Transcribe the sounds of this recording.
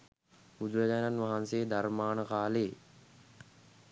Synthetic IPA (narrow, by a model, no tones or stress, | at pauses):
bud̪uɾəd͡ʑaːnanʋaɦanseːd̪aɾmaːnəkaːleː